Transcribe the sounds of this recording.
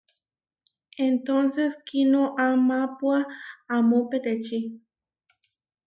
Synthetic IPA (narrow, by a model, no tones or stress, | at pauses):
ent̪onseskinoʔamapwaːmoped̪et͡ʃi